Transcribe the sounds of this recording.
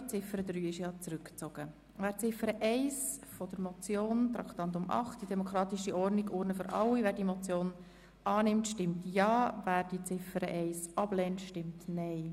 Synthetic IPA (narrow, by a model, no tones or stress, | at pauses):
t͡sɪfəɾəd̪ɾyːɪʃjɑːt͡sɾʏkt͡soɡ̥ə | væːɾt͡sɪfəɾəʔɛɪsfɔd̥əɾmɔt͡sjoːnt̪ɾɑ̰kt̪ɑnt̪ʊmʔɑ̰χtd̥idɛmɔkʰɾɑːt̪ɪʃiʔɔrniɡʊɾnəfʏɾʔɑ̰lːivæːɾdiːmɔt͡sjoːn | ʔɑːnɪmtʃtɪmtjɑːvæːɾdiːt͡sɪfəɾə̰ʔɛɪsɑb̥lɛntʃtɪmtnɛɪ